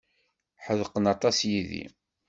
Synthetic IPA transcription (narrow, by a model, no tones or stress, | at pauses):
ħəðqənɑt̪ˤɑsjiðḭ